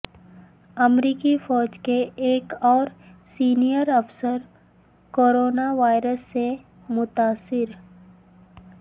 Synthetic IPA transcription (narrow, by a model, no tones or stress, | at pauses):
əmɾiːkifɔːd͡ʒkeeːkɔːɾsiːnijəɾɐfsəɾ | koːɾoːnaʋaːɪɾəsːe | mʊt̪aːsːɪɾ